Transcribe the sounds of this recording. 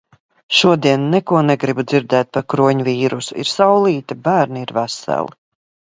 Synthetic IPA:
ʃuɔd̪iɛnːɛkuɔnɛɡɾibud̪ziɾd̪ɛːt̪̚paɾkɾuɔɲviːɾusuḭɾsawlˠiːt̪ibæːɾniiɾvæsæ̰lˠi

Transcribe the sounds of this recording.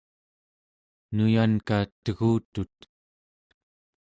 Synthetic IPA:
nujankat̪əɣuːt̪ut̪̚

